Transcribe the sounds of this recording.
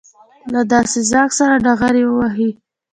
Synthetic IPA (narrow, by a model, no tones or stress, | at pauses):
lad̪ɑsezɑksaɾaɖaɣaɾewəwaɦi